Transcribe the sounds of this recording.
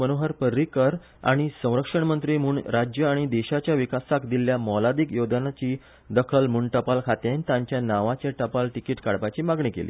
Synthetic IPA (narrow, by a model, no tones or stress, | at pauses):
ənoɦəɾpəɾːikəɾ | a̰ɽ̃isə̃w̃ɾəkʂəɳmənt̪ɾiːm̤uːɳɾad͡ʑjəaɽ̃id̪ɛɕat͡ɕjaʋikasakd̪iljamɔlad̪iːkjod̪nat͡ɕiː | d̪əkʰəlmuɳʈəpalkʰat̪ent̪ãɲt͡ɕjanaʋat͡ɕjaʈəpalʈikiːʈkaɽpat͡ɕiːmaɡɳikḛlḭː